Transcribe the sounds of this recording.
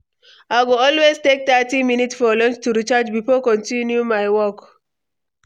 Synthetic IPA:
aɡoɔlweztek̚tatiminitsfɔlɔ̃nt͡ʃtuɹit͡ʃad͡ʒbifɔkɔ̃ntĩnjumaɪwɔk

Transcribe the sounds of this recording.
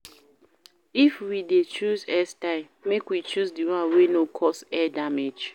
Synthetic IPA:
ifwidet͡ʃuzɛstaɪmːekwit͡ʃuzdiwãwenokʰɔsɛdamed͡ʒ

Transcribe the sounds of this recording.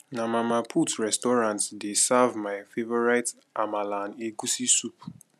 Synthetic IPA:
namamapʰutɹɛstɔɾãntdesavmaɪfevɔɹaɪt | ʔamalaneɡusisup

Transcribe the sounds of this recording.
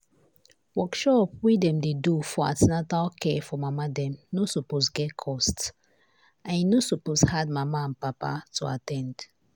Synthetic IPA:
wɔkʃɔpwidɛ̃mdedufɔã̰tinatalkʰɛfɔmamadɛ̃mnosoposɡɛtkʰɔst | ãninosuposhad̚mamaãnpapa̰tʰua̰tɛ̃nd̥

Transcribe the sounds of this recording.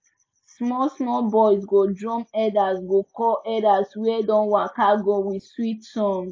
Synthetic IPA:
smɔsmɔbɔjsɡodɹɔ̃mɛdasɡokɔʔɛdaswɛdɔ̃nwakaɡowiswitsɔ̃m

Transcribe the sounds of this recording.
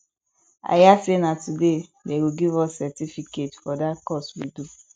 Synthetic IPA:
a̰jasenãtudedeɡiɡivɔssɛtifiketfɔdatkɔswidu

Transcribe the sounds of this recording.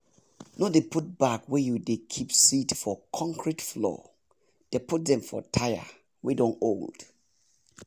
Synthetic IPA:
nɔdeput̚bakwɛjudekʰipsitfɔkʰɔ̃ŋkʰɹitflɔ̰ | d̥eput̚ðɛ̃ɱfɔ̰tʰajə̰ | wɛdɔ̃nold̥

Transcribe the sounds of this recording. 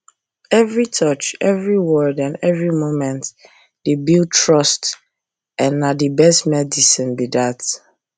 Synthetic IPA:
ɛvɹitʰɔt͡ʃɛvɹiwɔdãnɛvɹimomɛ̃nt | d̥ebil̚tʰɹɔst | ɛ̃nːadibɛstmɛdisĩnbidat

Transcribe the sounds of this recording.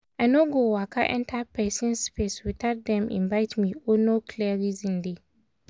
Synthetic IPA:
ʔanoɡowakʰa̰ʔɛ̰̃ntʰapʰaɪsɪ̃nspeswitat̚dɛ̃mʔɪ̰̃ɱvaɪtmĩɔnokʰliaɾizĩnde

